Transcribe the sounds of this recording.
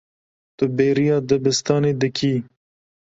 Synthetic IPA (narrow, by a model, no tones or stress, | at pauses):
t̪ʊbeːɾijɑːd̪əbɪst̪ɑːneːd̪əkʰiː